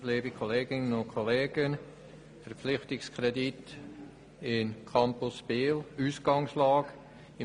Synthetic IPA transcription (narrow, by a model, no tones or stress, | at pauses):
leːbikʰɔleːɡɪnənʊnkʰɔleːɡ̥ən | fəɾpp͡flɪχtɪkskʰɾɛdit | ɪnkʰɑmpʊsb̥eːluːsɡ̥ɑŋslɑːɡ̥ | ɪ